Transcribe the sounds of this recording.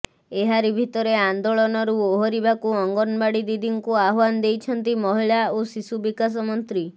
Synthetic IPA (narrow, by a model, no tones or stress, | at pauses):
eɦaɾibʱit̪ɔɾeand̪oɭɔnɔɾuoɦɔɾibakuɔŋɡɔnbaɽid̪id̪iŋkuaɦwand̪ejt͡ʃʰɔnt̪imɔɦiɭaosisubikas̬ɔmɔnt̪ɾi